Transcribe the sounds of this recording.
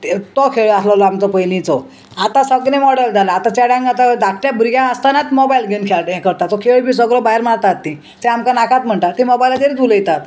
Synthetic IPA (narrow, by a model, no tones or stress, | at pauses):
t̪ɔkʰeɭaslalɔamt͡sɔpəjlĩt͡sɔ | at̪ãsəɡnemɔɽəld͡zalaːt̪ãt͡ɕaɽãŋɡat̪ad̪ak̚ʈjabʱuɾɡãəst̪anat̪mɔbailɡʱenkʰelʈẽkəɾt̪at̪ːɔkʰeɭbʱiːs̬əɡlɔbaiɾmaɾt̪at̪ːĩ | t̪ɛ̃amkanakat̪̚m̤əɳʈat̪ĩmɔbajlad͡zeɾit̪uləjt̪at̪